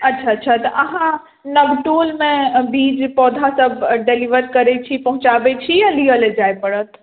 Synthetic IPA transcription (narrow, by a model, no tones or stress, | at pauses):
ətːt͡ʃʰaətːʃʰat̪ɔʔəɦã | nəbʈolmẽbid͡ʒpɔd̪ʱasəbɖeliʋəɾkəɾɛt͡ʃʰipəɦũt͡ʃabɛt͡ʃʰijaliəled͡ʒajpəɽət̪ʰ